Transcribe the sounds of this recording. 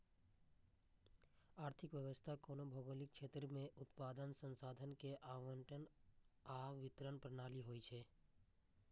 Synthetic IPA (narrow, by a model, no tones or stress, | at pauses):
aːɾt̪ʰɪkʋjəʋəst̪ʰakoːnobʱoːɡolɪkʃʰeːt̪ɾəmẽʔʊt̪paːd̪ənsə̃nsaːd̪ʱənkeʔaːʋə̃ɳʈənaʋɪt̪ɾənpɾənaːliɦoːit͡ʃʰeː